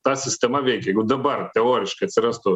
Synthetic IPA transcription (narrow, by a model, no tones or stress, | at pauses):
t̪ɑːsʲɪsʲt̪ʲɛmɐʋʲɛɪkʲɛɛɡʊd̪ɐbɐrt̪ʲɛoːɾʲɪʃkɐɪɐt̪ʲsʲɪɾɐst̪ʊ